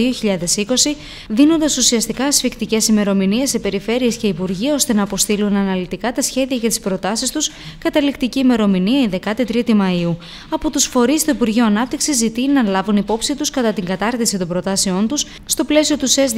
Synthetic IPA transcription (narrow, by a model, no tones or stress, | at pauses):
io̞çiʎɐðe̞siko̞si | ðino̞nd̪ɐsusiɐst̪ikɐːsfikt̪ice̞sime̞ɾo̞minie̞sːe̞pe̞ɾife̞ɾie̞sce̞ipuɾʝiɐo̞st̪e̞nɐːpo̞st̪ilunɐnɐlit̪ikɐt̪ɐsçe̞ðiɐʝɐt̪i̥spɾo̞t̪ɐsist̪us | kɐt̪ɐlikt̪iciːme̞ɾo̞miniɐiðe̞kɐt̪it̪ɾit̪imɐiu | ɐpo̞t̪usfo̞ɾist̪o̞ipuɾʝioɐnɐpt̪iksizːit̪inɐlɐvunipo̞psit̪uskɐt̪ɐt̪iŋɡɐt̪ɐɾt̪isit̪o̞bɾo̞t̪ɐse̞o̞nt̪us | st̪o̞ple̞sio̞t̪uses